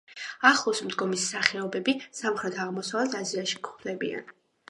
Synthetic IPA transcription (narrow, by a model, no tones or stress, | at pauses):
aχlˠɔsmd̪ɡɔmisːaχɛɔbɛbisamχɾɛt̪ʰaʁmɔsavɛt̪ʰaziaʃi̥kʰχʰd̪ɛbḭa̰n